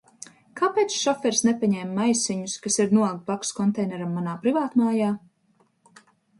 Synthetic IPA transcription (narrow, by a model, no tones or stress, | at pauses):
kaːpeːt̪sʃɔfɛɾsnepʲaɲɛmːajsiɲuskasiɾnuɔlˠkt̪̚pakskɔnt̪ɛjnɛɾamːanaːpɾivaːt̪maːjaː